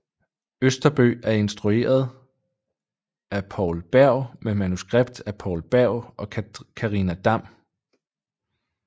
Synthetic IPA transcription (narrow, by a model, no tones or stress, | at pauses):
øsd̥ɐb̥ø̰ːæɐe̝nsd̥ʁue̝̰ːɐð̞ˠ | æpʰɒʊlb̥æɐ̰memænusɡ̥ʁeb̥d̥æpʰɒ̰ʊlb̥æɐ̰ʊɒ̽kʰɑ̈ʁinæd̥ɑ̈m̰